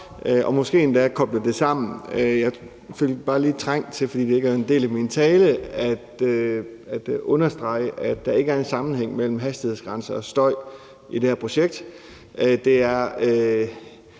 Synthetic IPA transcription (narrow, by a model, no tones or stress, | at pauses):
ʔøʔɒ̽mɒ̽sɡ̥e̝̰ːend̥ækʰɒ̽b̥ləd̥e̝sɑ̈m̰n̩øjɑ̈ɪ | føl̰b̥ɑ̈ːliːt͡sʰʁaŋ̰t͡sʰe̝lfɒd̥ḭːd̥ee̝ɡ̥æe̝nd̥e̝̰ːlæmint͡sʰɛːləæd̥ | æd̥ɔ̽nɐsd̥ʁɑ̈ɪ̰əʔædd̥ɑ̈e̝ɡəæɐe̝nsɑ̈mn̩heŋ̰mel̰m̩ɦæsd̥ihe̝̰sɡ̥ʁɑ̈nsɐɒ̽sd̥ɒ̽ɪ̰ | id̥ehæɐpʰʁoɕeɡ̥̚d̥ | d̥e̝æɐø